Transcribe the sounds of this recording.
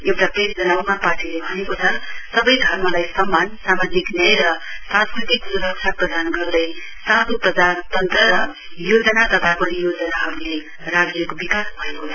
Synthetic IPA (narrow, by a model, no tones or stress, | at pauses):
ewʈapresd͡zʌnawmapaʈilebʱʌnekot͡sʰʌsʌbʌjɡʱʌrmalajsʌmːansamad͡ziknʌjɾʌsãnskrit̪iksuɾʌksʰaprʌd̪anɡʌrd̪ʌj | sãt̪uprʌd͡zat̪ʌnt̪rʌɾʌ | jod͡zʌnat̪ʌt̪ʰakʌnijod͡zʌnaɦʌbilaj | rad͡zʌkobikasbʱʌekot͡sʰʌ̥